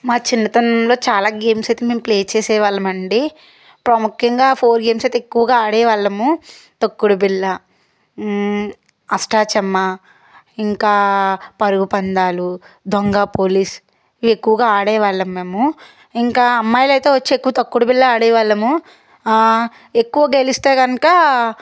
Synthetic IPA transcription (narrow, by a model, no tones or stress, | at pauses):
maːt͡ʃind̪ɐt̪ɐnlo̞ːt͡ʃaːlaːɡeːmsɐjt̪emeːmpleːt͡ʃeːsɛːʋaːɭːɐmɐɳɖi | pɾɐmukjɐŋɡaːpʰoːɾɡe̞ːmsɐjt̪eekːuʋɐɡaːaːɽɛːʋaːɭːɐmu | t̪ɐkːuɽubilːɐ | ɐsʈaːt͡ʃɛmːɐ | iŋkaːpɐɾuɡupɐnd̪aːlu | d̪ʱoŋɡaːpoːliːs | iʋiekːuʋɐɡaːaːɽɛːʋaːɭːɐmːeːmu | iŋkaːɐmːaːjlɐjt̪eːʋɐt͡ʃːeekːuʋɐt̪ɐkːuɽubilːɐaːɽɛːʋaːɭːɐmu | ekːuʋɐɡelist̪aːɡɐnɐkɐ